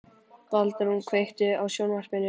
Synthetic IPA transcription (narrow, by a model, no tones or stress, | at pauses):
valt̪aɾhunkʰvejht̪ɪawsjownvar̥pmɪnɪ